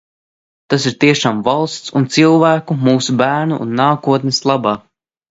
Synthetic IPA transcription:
t̪asiɾt̪iɛʃaːmvalˠst̪sunt̪silˠvæːkumuːsubæːɾnṵʔːnːaːkuɔt̪nɛslˠabaː

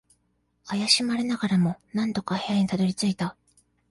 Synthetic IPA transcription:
ajaɕimaɾenaɡaɾamo̞nãnt̪o̞kahejaɲ̟it̪ad̪o̞ɾʲit͡sɨit̪a

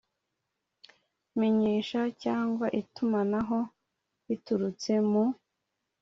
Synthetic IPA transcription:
miɲiːʃacaːŋɡwaʔitumanaɦo̞ | βituɾut͡se̞mu

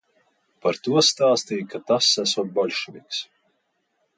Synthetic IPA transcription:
paɾt̪uɔst̪aːst̪iːkat̪asːæsuɔt̪̚bɔlʲʃinʲiks

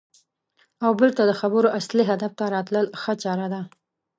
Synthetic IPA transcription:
awbəlt̪ad̪əxabəɾoʔasliɦad̪aft̪aɾɑt̪ləlxət͡ʃɑɾad̪a

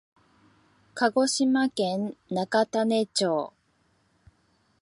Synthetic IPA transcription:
kaɡo̞ɕimakẽnːakat̪anet͡ɕoː

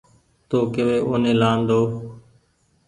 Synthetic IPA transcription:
t̪oːkɪʋeːʔoːnẽːlaːnd̪oː

